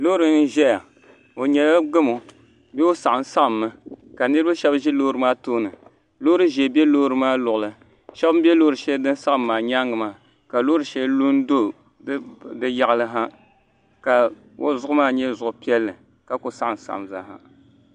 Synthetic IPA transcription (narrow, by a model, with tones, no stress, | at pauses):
loː˦ɾɨ˨n˦ʒɛ˦ja˨ | o˨ɲɛ˨la˦ɡ͡bɨ˦mo˨ | bɛ˦o˦sa˨ʔa˨n˦sa˦ʔa˨mːɨ˦ka˨nɨ˦ɾɨ˦ba˦ʃɛ˦bʒɛ˦lo˦ɾɨ˨maː˦toː˦nɨ˨ | lo˦ɾɨ˦ʒɛ˨bɛ˦loː˦ɾɨ˨maː˦lʊ˨ʔʊ˨lɨ˨ | ʃɛ˦bm˦bɛ˦loː˦ɾɨ˨ʃɛ˦ldɨ˦n˦sa˦ʔɨ˨mːaː˨ɲa˦ŋɨ˨maː˨˦˨ | ka˨loː˦ɾɨ˨ʃɛ˦llu˦n˦do˦˨˦ | dɨ˦ja˦ɣa˨lɨ˦ɦa˦ | ka˨ | wo˦zʊ˦ʔʊ˦maː˦ɲɛ˦zʊ˨ʔʊ˨pi˦ɛ˦lːɨ˨ | ka˨ko˨sa˦ʔa˨n˨sa̰˨ʔa̰˨mza̰˨ɦa̰˦